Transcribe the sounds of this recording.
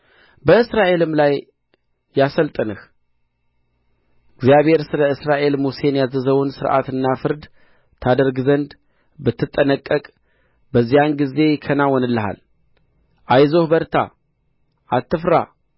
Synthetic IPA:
bəɨsɾaʔe̞lɨmlajː | asəlt̪ʼənɨh | ɡzjaβe̞ɾsɨləɨsɾaʔe̞lmuse̞njazəzəwunsɨɾʔa̰t̪ɨnːafɨɾd̪ | t̪ʰad̪əɾɡzənd̪ | bɨt̪ʰːɨt̪ʼːənəkʼːəkʼ | bəzːijanɡize̞kʰənawɔnɨlːəɦa̰l | ʔajzohbəɾt̪ʰa̰ | ʔat̪ːɨfɾa̰

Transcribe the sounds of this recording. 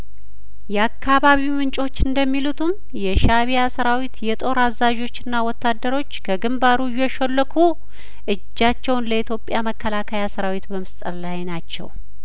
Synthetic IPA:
jɛakːaβaβiwmɨnt͡ʃʼo̞t͡ʃːɨnd̪əmːilut̪ʰum | jɛʃaβijasəɾawit̪jɛt̪ʼo̞ɾazaʒo̞t͡ʃːɨnːawɔt̪ʰːad̪ːəɾo̞t͡ʃːkʰəɡɨmbaɾujɛʃɔlːəkʰu | ʔɨd͡ʒːat͡ʃːɛwnləit̪ʰjo̞pʼjaməkʰːəlakʰəjasəɾawit̪bəmɨst̪ʼəllajnat͡ʃːɛ̰w

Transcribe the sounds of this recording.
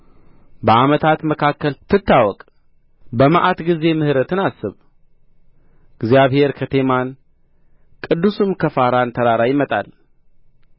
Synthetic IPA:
bəamət̪ʰat̪məkʰakːəlt̪ʰɨt̪ʰːawɔkʼ | bəmaʔat̪ɡize̞mɨhɾət̪ɨnasːɨβ | ɪɡzjaβhe̞ɾkʰət̪ʰe̞man | kʼɨd̪ːusɨmkʰəfaɾant̪ʰəɾaɾajɪmət̪ʼa̰l

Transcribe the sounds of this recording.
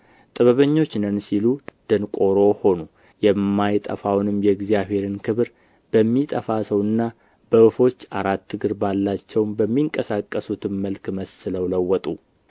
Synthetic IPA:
t̪ʼɨβəβəɲːo̞t͡ʃːnənsilud̪̥ɨnkʼo̞ɾo̞ho̞nu | jɛmːajt̪ʼə̰fawnɨmjɛɨɡzijaβhe̞ɾɨnkʰɨβɾ | b̥əmːit̪ʼəfasəwɨnːa | b̥əɨfo̞t͡ʃːaɾat̪ːɨɡɨɾbalːat͡ʃːɛwmbəmːiŋkʼəsakʼːəsut̪ʰɨmməlkməsːɨləwləwːɔt̪ʼu

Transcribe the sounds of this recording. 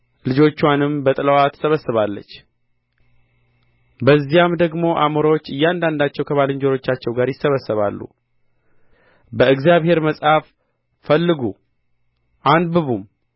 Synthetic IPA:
lɨd͡ʒo̞t͡ʃːanɨmbət̪ʼɨləwat̪ʰːə̥səβəsːɨβalːə̰t͡ʃː | bəzːijamd̪əɡmo̞ʔamuɾawot͡ʃːɨjːand̪and̪at͡ʃːɛwkʰəβalɨɲd͡ʒoɾo̞t͡ʃːat͡ʃːɛwɡaɾjɪsːəβəsːəβa̰lːṵ | bəɨɡzjaβhe̞ɾməsʼhaf | fəlːɨɡu | ʔanbɨβum

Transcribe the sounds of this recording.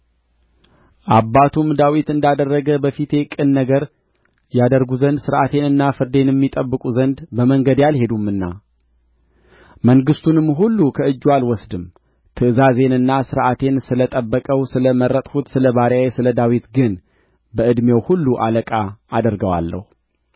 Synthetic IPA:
ʔabːat̪ʰumd̪awit̪ɨnd̪ad̪ərːəɡəbəfit̪ʰe̞kʼɨnːəɡəɾ | jad̪əɾɡuzənd̪sɨɾʔat̪ʰe̞nɨnːafɨɾd̪e̞njɛmːit̪ʼəbːɨkʼuzənd̪bəməŋɡəd̪jalhe̞d̪umːɨnːa̰ | məŋɡɨst̪ʰunɨmːɦulːukʰəɨd͡ʒːualwɔsd̪ɨm | t̪ʰɨʔɨzaze̞nɨnːasɨɾʔat̪ʰe̞nsɨlət̪ʼəbːəkʼəwsɨləməɾːət̪ʼhut̪sɨləβaɾjawesɨləd̪awit̪ɡɨn | bəɨd̪mjewhulːuʔaləkʼaːd̪əɾɡəwa̰lːə̰hu

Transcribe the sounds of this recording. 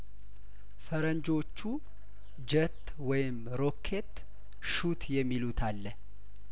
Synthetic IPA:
fəɾəɲd͡ʒo̞t͡ʃːu | d͡ʒət̪ː | wɔjɪm | ɾo̞kʰːe̞t̪ː | ʃut̪ʰjɛmːilut̪ʰalːə

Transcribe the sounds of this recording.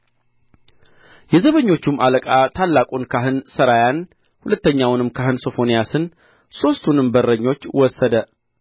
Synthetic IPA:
jɛzəβəɲːo̞t͡ʃːumːaləkʼat̪ʰalːakʼunkʰaɦɨnsəɾajan | hulət̪ːəɲːawnɨmkʰaɦɨnso̞fo̞nijasɨn | so̞st̪ʰunɨmbərːəɲːo̞t͡ʃːwɔsːəd̪ə

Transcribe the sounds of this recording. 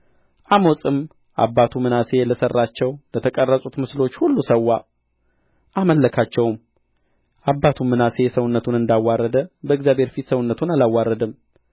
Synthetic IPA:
ʔamosʼɨm | ʔa̰bːat̪ʰumɨnase̞ləsərːat͡ʃːɛwlət̪ʰəkʼərːəsʼut̪mɨslo̞t͡ʃːhulːusəwːa | ʔaməlːəkʰat͡ʃːɛwm | ʔabːat̪ʰumːɨnase̞səwnːət̪ʰunɨnd̪awːarːəd̪əbəɨɡzjabhe̞ɾfit̪səwʊnːət̪ʰunalawːarːəd̪ɨm

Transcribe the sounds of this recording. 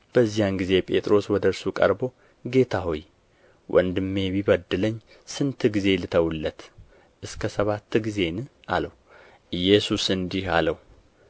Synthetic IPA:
b̥əzːijanɡize̞pʼe̞̰t̪ʼɾo̞swɔd̪əɾsukʼə̰ɾbo̞ | ɡe̞t̪ʰaɦo̞j | wʔɔ̰nd̪ɨmːe̞βiβəd̪ːɨləɲː | sɨnt̪ʰɨɡize̞lɨt̪ʰəwulːət̪ | ʔɨskʰəsəβat̪ʰːɨɡize̞nɨʔa̰ləwu | ɨjːɛsusɨnd̪iha̰ləwu

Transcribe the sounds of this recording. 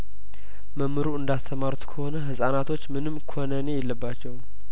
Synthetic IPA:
məmːɨɾuɨnd̪ast̪ʰəmaɾut̪kʰəho̞nəɦɨsʼanat̪ʰo̞t͡ʃːmɨnɨmːkʰonəne̞jɛlːəbːat͡ʃːɛw

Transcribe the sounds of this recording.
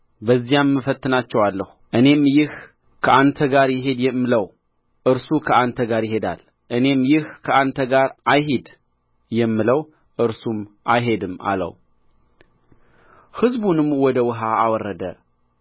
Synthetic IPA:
bəzːijamːəfət̪ːɨnat͡ʃːɛwalːəhuʔɨne̞mjɪh | kʰəʔant̪ʰəɡaɾjɪɦe̞d̪jɛmːɨləw | ʔɨɾsukʰəant̪ʰəɡaɾjɪɦe̞d̪a̰l | ʔɨne̞mjɪhkʰəʔant̪ʰəɡaɾʔajɦed̪ | jɛmːɨləw | ʔɨɾsumʔajɦe̞d̪ɨma̰lə̰w | hɨzbunɨmwɔd̪əwɨɦaːwɔrːəd̪ə

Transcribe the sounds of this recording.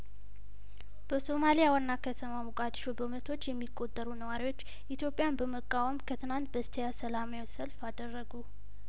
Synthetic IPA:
b̥əso̞malijawanːakʰət̪ʰəmamukʼad̪ʃobəmət̪ʰo̞t͡ʃːjɛmːikʼːo̞t̪ʼːəɾunəwaɾiwo̞t͡ʃː | ʔit̪jo̞pʼːjanbəməkʼːawəmkʰət̪ʰɨnant̪̚bəst̪ʰəjasəlamajasəlfad̪ərːəɡu

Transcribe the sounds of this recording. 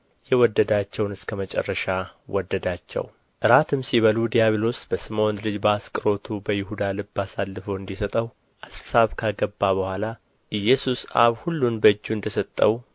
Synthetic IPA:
jɛwɔd̪ːəd̪at͡ʃːɛwnɨskʰəmət͡ʃʼɛ̰rːəʃawɔd̪ːəd̪at͡ʃːɛ̰w | ʔɨɾat̪ʰɨmsiβəlud̪ijaβelo̞sb̥əsɨmonlɨd͡ʒbəaskʼɨɾo̞t̪ʰubəjɪhud̪alɨbːasalːɨfəwɨnd̪isət̪ʼəw | ʔasːaβkʰaɡəbːaβəhʷala | ʔɨjːɛsusa̰βhulːunbəɨd͡ʒːuɨnd̪əsət̪ʼːəw

